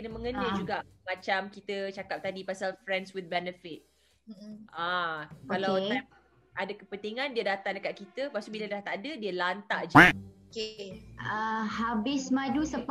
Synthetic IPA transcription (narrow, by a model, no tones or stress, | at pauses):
kənəmə̃ŋənəd͡ʒuɡaʔmãt͡ʃamkit̪ət͡ʃakap̚t̪adipasalfɾɛnswɪt̪̚bɛnəfɪt̪̩̚ | akalawam | ʔadakəpənt̪iŋãndiədat̪aŋdəkat̪̚kit̪əpaʔsubilədaht̪adədiəlant̪aʔd͡ʒokeəhabɪsmãdusəp